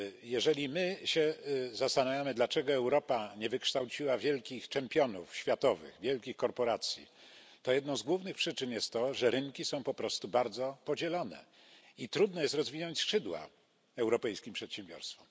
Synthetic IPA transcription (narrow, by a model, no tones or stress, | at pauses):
jɛʐɛlʲimɘɕɛzast̪anavʲjamɘd̪lat͡ʂɛɡɔɛwɾɔpaɲɛvɘkʂt̪awt͡ɕiwavʲjɛlkʲixt͡ʂɛmpʲjɔnufɕfʲjat̪ɔvɘ̰ɣvʲjɛlkʲixkɔɾpɔɾat̪sʲjḭ | t̪ɔjɛd̪nɔ̃w̃zɡwuvnɘxpʂɘt͡ʂɘnjɛst̪ːɔʐɛɾɘŋkʲisɔ̃w̃pɔpɾɔst̪ubaɾd̪zɔpɔd͡ʑɛlɔnɛ̰ | it̪ɾud̪nɛjɛst̪ɾɔzvʲinɔɲt͡ɕsʂɘd̪wa̰ | ɛwɾɔpɛjskʲimpʂɛt̪ɕɛ̃mbʲjɔ̰ɾst̪fɔm